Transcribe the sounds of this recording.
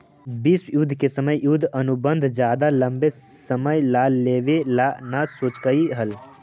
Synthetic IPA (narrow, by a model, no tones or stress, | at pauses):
bɪswjʊd̪ʱkesəməjjʊd̪ʱənʊbə̃nd̪ʱd͡ʒjaːd̪alə̃mbe | səməjlaːlːeːʋelanasoːt͡ʃkəiɦəl